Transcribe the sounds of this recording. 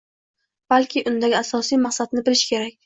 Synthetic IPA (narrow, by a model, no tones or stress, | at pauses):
b̥alkʲʰɪʔʊnd̪aɡʲɪasɒsijmaχsad̪nɪbɪlɪʃkʲʰe̞ɾak̚ʲ